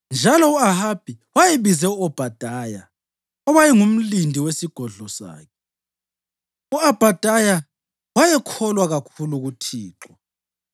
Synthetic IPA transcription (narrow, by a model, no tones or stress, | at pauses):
nd͡ʒʱalɔuahab̥ʱiwajeβizɛuɔb̥ʱad̥ʱaja | ɔβajɛŋum̩lindʱiwesiɡ̥ʱɔɮɔsa̰ːkʰɛ | uab̥ʱad̥ʱaja | wajɛkʰɔlwaɣakʰuluɣutʰiːǁwɔ